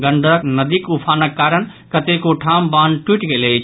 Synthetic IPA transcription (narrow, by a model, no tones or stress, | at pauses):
ɡəɳɖəknəd̪ikupʰanəkːaɾən | kət̪ekoʈʰambanʈwiʈɡelet͡ʃʰ